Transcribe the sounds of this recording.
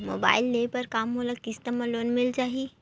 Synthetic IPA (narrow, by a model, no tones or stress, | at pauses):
moːba̰ːɪlːepəɾkaːmːoləkkɪst̪əməloːnmɪlt͡ʃaːɦi